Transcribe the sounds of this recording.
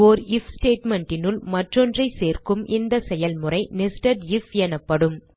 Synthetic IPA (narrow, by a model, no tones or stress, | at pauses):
ɔɾɪfsʈeːʈmɛɳʈɪnɯlmɐʈrɔndrɐɪseːrkɯmʔɪnd̪ɐsɛjɐlmɯrɐɪnɪsʈɐʈɪfɛnɐpːɐɽɯm